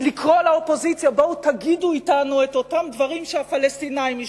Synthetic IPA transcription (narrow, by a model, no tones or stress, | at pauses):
likʁolaopo̞zit͡sjaboutaɡiduitanueto̞tamdvaʁimʃehafalestinaim